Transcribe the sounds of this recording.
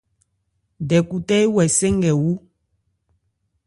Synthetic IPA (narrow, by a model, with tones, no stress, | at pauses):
dɛ˨ku˨tɛ˦i˦wɛ˨sɛ˦ŋ˦ɡɛ˨wu˦